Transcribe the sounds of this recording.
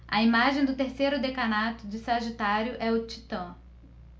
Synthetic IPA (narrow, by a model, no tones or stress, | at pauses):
ɐ̰imaʒẽj̃d̪ʊt̪eɾsejɾʊd̪ekanat̪ʊd͡ʒɪsɐʒit̪aɾjʊʔɛʊt͡ʃit̪ɐ̃